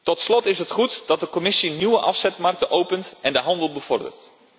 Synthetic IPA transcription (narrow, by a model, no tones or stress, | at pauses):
tɔtslɔtɪsɦətχutd̥ɑt̚dəkomɪsinywəʔɑfsɛtmark̚təʔowpəntɛndəɦɑndəlˠbəv̥ɔrdə̰rt